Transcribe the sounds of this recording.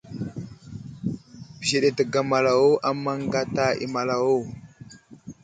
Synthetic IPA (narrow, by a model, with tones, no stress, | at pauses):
bze˨ɗe˨tə˨ɡa˨ma˨la˨wo˦ʔa˦mːa˦ŋɡa˦ta˦ḭ˨ma˨la˨wo˦˨